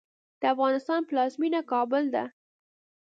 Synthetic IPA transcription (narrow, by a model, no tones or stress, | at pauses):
d̪̥əafɣɑnɪst̪ɑnplɑzminakɑbʊld̪a̰